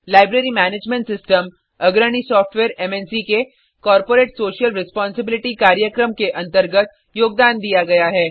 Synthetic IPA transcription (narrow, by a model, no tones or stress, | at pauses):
laːɪbɾeːɾimɛːneːd͡ʒmɛ̃ɳʈsɪsʈəm | ɐɡɾəñisɔːfʈʋeːɾɛmɛnsike | kɔːɾpoːɾeːʈsoːʃijəlɾɪspɔ̃ːnsɪbɪlɪʈikaːɾjəkɾəmkeʔɐ̃nt̪əɾɡət̪̚ | joːɡ̚d̪aːnd̪ijaɡɐjaɦɛː